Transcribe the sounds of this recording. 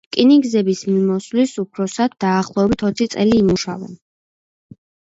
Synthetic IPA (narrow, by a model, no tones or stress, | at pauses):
kʼiniɡzɛbismimɔslisupʰɾɔsad̪̥̚ːaːχlˠɔɛbit̪ʰɔt̪sʰit̪sʼɛliːmuʃa̰vɛ̰n